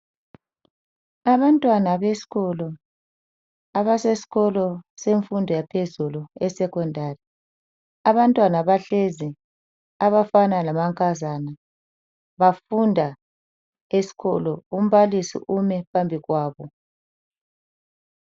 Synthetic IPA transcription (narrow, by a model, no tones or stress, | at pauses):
aβantʼwanaβesi̥ɣɔlɔ | aβasesi̥ɣɔlɔseɱfundʱɔjapʰezuluɛsɛkɔndʱari | aβantʼwanaβaɬezi | aβafanalamaŋkʼazana | βafundʱa | esi̥ɣɔlɔum̩βalisḭʔumɛpʰambʱiɣwaːβɔ